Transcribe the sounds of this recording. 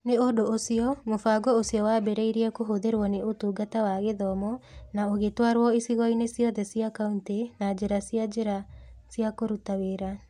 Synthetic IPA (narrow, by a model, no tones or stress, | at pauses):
neodoosiɔmofaɡɔosiɔwaːbeɾeiɾiɛkoɦoðeɾwɔneʔotuːɡatawaɣeðɔmɔnaoɣetwaɾwɔisiɣɔinesiɔðɛsiakauntenad͡ʒeɾasiad͡ʒeɾasiakoɾutaweɾa